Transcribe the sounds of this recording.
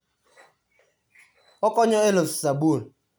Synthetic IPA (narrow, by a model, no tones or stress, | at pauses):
ɔkɔɲɔelossabul